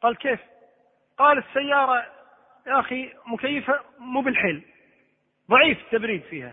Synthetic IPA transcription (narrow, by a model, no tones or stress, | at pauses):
qɑːlkeːf | qɑːlɪsːajːɑːɾˤɑ | jʔaximʊkajːɪfamuːbɪlħeːl | ðˤɑʕiːft̪ːabɾiːd̪fiːha̰